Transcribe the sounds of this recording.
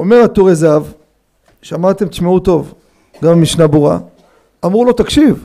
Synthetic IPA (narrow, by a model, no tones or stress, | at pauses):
ome̞ʁat̪uʁezav | ʃamat̪e̞mt̪meut̪o̞v | ɡammiʃnabuʁa̰ | amʁulo̞t̪akʃiv